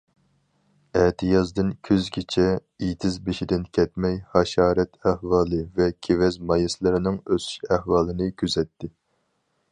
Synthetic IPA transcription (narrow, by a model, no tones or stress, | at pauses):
ɛt̪ʰɨjɑzd̪ɨnkʲʰøzɡʲet͡ʃʰɛ | ijt̪ʰɪzbeʃid̪ɪnkʲʰɛt̪mɛjhɑʃɑːɾɛt̪ʰæhwɑːlˠɨvɛkʲʰevɛzmɑjislˠɨɾɪnɨŋøsy̥ʃæhwɑːlˠɨnɨkʲʰyzɛt̪ʰːɪ